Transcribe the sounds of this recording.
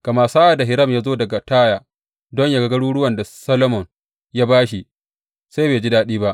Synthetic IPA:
ka˨ma˦˨saː˦ʔa˨da˨ɦɪ˨ɾɐ˦˨mjaː˦zoː˦dɐ˨ɡa˨taː˦ja˨ | dɔ˦ɲja˦ɡɐ˦ɡɐ˦ɽuː˦ɽʊ˦wɐ˨nda˨sɐ˦lo˦mɔ˨ŋ | jaː˦baː˦ʃi˨ | se˦jbeː˨d͡ʒi˦daː˦ɗiː˦ba˦ʔ

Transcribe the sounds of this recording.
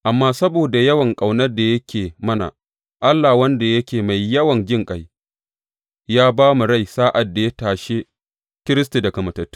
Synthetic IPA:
ʔa˨mːaː˦sɐ˦boː˨da˨jɐ˦wɐ˨ŋkʼa˨wnɐ˦rda˨jɐ˦kʲʰeː˨mɐ˦na̰˨ | ʔa˦lːa˨wɐ˦nda˨jɐ˦kʲeː˨ma˨jːɐ˦wɐ˨nd͡ʒɪ˦ŋkʼa˦j | jaː˦baː˦mu˨ɽa˦jsaː˦ʔa˨dːa˨ja˦taː˨ʃe˦ | kʲɪ˦ɾɪ˦s̬ti˨da˨kɐ˨mɐ˨tɐ˨tːu̥˦

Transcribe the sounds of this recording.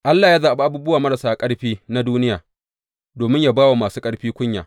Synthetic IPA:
ʔa˦lːaː˨jaː˦zaː˨ʔba˦ʔa˦buː˦bʊ˦waː˨mɐ˦ɾa˨saː˦˨kʼɐ˦ɽɸiː˦na˦duː˦nɪ˦jaː˨ | doː˨mɪ˦ɲjaː˦˨baː˦wa˨maː˨suː˦kʼɐ˦ɽɸiː˦kʷʊ˦ɲja̰ː˨

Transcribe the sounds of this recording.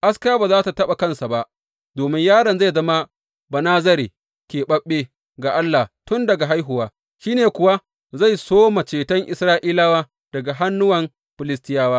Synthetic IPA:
ʔa˦skaː˦baː˨zaː˦ta˨tɐ˦ɓa˨kɐ˦nsa˨ba˦ʔ | doː˨mɪ˦ɲjaː˦ɽɐ˨nza˦˨jzɐ˦ma˦ | bɐ˨naː˦zɐ˦ɾi˨ | kʲeː˨ɓɐ˦ɓːe˦ | ɡa˨ʔa˦lːa˨tʊ˦ndɐ˨ɡa˨ɦa˦jɦʊ˨waː˦ | ʃiː˦neː˨kʷʊ˨wa˦ | za˦˨jsoː˦ma˨t͡ʃeː˨tɐ˦ŋʔɪ˨sɾaː˦ʔiː˦laː˦waː˦ | d̥ɐ˨ɡa˨ɦa˦nːʊ˦wɐ˨m | ɸɪ˨lɪ˦s̬tɪ˦jaː˦waː˦

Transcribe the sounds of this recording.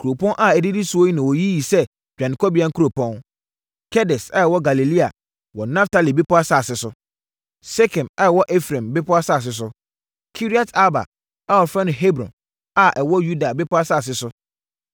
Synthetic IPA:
kʰu˨ɾo˨pɔ̃˦nʔa˦ɛ˨di˦di˦su˨˦o˦ji˦nã˨wɔ˨ji˦ji˨sɛ˦ | bᶣã˨nɪ̃˨kʰɔ˦bi˨a˦ŋ˦kʰu˦ɾo˨pʰɔ̃˦n | kʰɛ˦dɛ˨sa˦ɛ˨wɔ˦ɡa˨li˨li˦a̰˨ | wɔ˨nã˦ftʰa˦li˨be˦pʰʊ˦a˦sa˦˨sɪ˨sʊ˦ | sɛ˦kʰɛ̃˨ma˦ɛ˨wɔ˦ʔɛ˦fɾɛ̃˨mbɪ˦pʰʊ˦a˦sa˦˨s̬ɪ˨˦s̬ʊ˦ | kʰi˦ɾi˦a˦tʰa˦ba̰˨ | a˦ɔ˨fɾã˦nʊ̃˨ɦe˦bɾɔ̰̃˨n | a˨ʔɛ˨wɔ˦ju˦da˨bɪ˦pɔ˦a˦sa˦˨s̬ɪ˨˦sʊ˦

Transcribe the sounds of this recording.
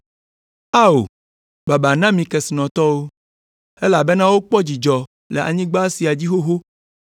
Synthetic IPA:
a˦o̰˨ | ba˨ba˨nã˦mĩ˨kɛ˨si˨nɔ̃˨t̪ɔ˦wo˦ | e˦la˨be˦nã˦wo˦k͡pɔ˦d͡ʑi˨d͡ʒɔ˨ | lḛ˨a̰˨ɲĩ˦ɡ͡ba˦si˨a˨d͡ʑi˦xo˦ɦo˦

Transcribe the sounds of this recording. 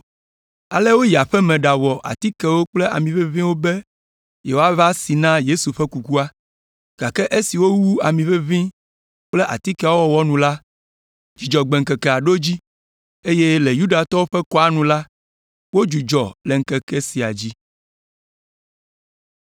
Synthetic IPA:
a˨lɛ˦wo˦ji˨a˨ɸɛ˦mɛ̃˨ɖa˨wɔ˨ʔa̰˨t̪i˦kɛ˦wo˦k͡ple˦ʔa̰˨mĩ˨ɸe˦vĩ˦wo˦bɛ˦ | je˨wo˦a˦va˦si˨nã˦je˦su˨ɸɛ˦ku˨ku˦a˦ | ɡ̥a˨kɛ˦ʔe˦si˨wo˦wu˦a˨mĩ˨ɸɛ˦vĩ˦ | k͡ple˦ʔa̰˨t̪i˦kɛ˦wɔ˦wɔ˦nũ˨la˦ | d͡ʒi˨d͡ʒɔ˨ɡ͡bɛ˨ŋ̩˨kɛ˨kɛ˨a˨ɖo˦d͡ʑi˦ | e˦je˦le˨ju˦ɖa˨t̪ɔ˦wo˦ɸɛ˦kɔ˦a˦nũ˨la˦ | wo˦d͡ʒu˨d͡ʒɔ˨lɛ˨ŋ̩˦kɛ˨kɛ˦si˨a˨d͡ʑi˦

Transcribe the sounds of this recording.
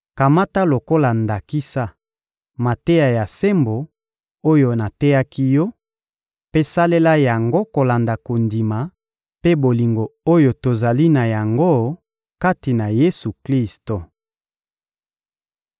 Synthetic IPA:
ka˨ma˦ta˦lo˨ko˦la˨nda˨ki˦sa˦ | ma˨te˦ja˨ja˨se˦mbo˨ | o˦jo˨na˨tɛ˦ja˦ki˦jɔ˦ | pe˦sa˦le˦la˦ja˨ŋɡo˦ko˨la˨nda˨ko˨ndi˨ma˨ | pe˦bo˨li˨ŋɡo˨o˦jo˨to˨za˨li˦na˨ja˨ŋɡo˦ | ka˦ti˨na˨je˦su˨kli˦sto˨

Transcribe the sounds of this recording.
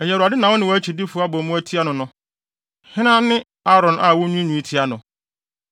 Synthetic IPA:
ɛ˨jɛ˨ɾa˨dɪ˦nã˨wɔ˦nɪ̃˦wɔ˦æ˦t͡ɕʰi˨di˦fʊ˨˦a˦bɔ̃˨mũ˦æ˦tʰi˦a˦nʊ̃˨nʊ̃˦ | hɪ̃˦nã˦nɪ̃˦ | a˦ɾɔ̃˨nʔa˦˨wɔ˦ɲũ˦ɲũ˨˦i˦tʰi˦a˦nʊ̃˨

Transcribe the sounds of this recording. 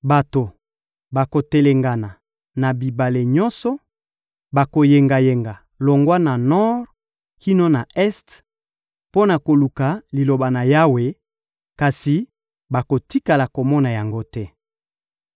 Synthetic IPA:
ba˨to˨ | ba˨ko˨te˨le˨ŋɡa˨na˨ | na˨bi˨ba˨le˨ɲɔ˦nsɔ˦ | ba˨ko˨je˨ŋɡa˨je˨ŋɡa˨ | lo˨ŋɡwa˦na˨nɔ˦ʁ | ki˦no˦na˨ɛ˦st | po˦na˨ko˨lu˨ka˨li˨lo˨ba˨na˨ja˦we˨ | ka˨si˨ | ba˨ko˨ti˦ka˨la˨ko˨mɔ˦na˨ja˨ŋɡo˦tɛ˦

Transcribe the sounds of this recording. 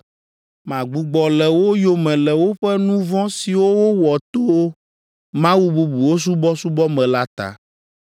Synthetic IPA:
mã˨ɡ͡bu˨ɡ͡bɔ˨lɛ˨wo˦jo˨mɛ̃˨lɛ˨wo˦ɸɛ˦nũ˦vɔ̃˦si˨wo˦wo˦wɔ˨t̪o˦wo˦ | mã˦wu˦bu˦bu˨wo˦s̬u˦bɔ˦su˦bɔ˦mɛ̃˨la˦t̪a̰˦

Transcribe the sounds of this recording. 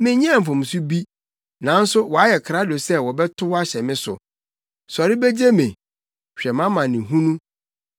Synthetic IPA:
mɪ̃˦ɲ˦ɛ̃˦˨m̩˨fʊ̃˨m˨su˦bi˦ | nã˨n̩˦sʊ˦wɔ˨a˦jɛ˨kʰɾa˦do˨sɛ˦wɔ˨bɛ˦tʰʊ˦wa˦ɕɛ˨mɪ̃˦sʊ̰˨ | sɔ˨ɾɪ˦be˦d͡ʑe˦mɪ̃˨ | ɕᶣɛ˨mã˦mã˨nɪ̃˨ɦũ˦nũ˦

